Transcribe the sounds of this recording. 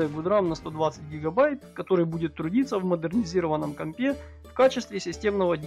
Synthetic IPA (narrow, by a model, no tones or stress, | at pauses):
jəɡʊd̪ɾamnɐst̪o̞d̪vat̪sɨt̚ʲɡʲɪɡɐbajt̪̚kɐt̪o̞ɾɨjbudʲɪt̪ːɾʊdʲit̪səvməd̪ɨrnʲɪzʲiɾəvənːəmkɐmʲpʲe | fkat͡ɕɪst̪vʲɪsʲɪsʲtʲe̞mnəvədʲ